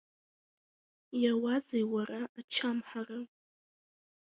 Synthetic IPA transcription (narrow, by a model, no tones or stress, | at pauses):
jawazejwaraʔːt͡ʃʰamħarɨ